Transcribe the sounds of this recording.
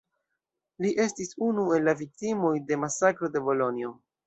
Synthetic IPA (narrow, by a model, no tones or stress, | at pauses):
liʔe̞stisunue̞lːavik̚timo̞jde̞masakɾo̞de̞bo̞lo̞nio̞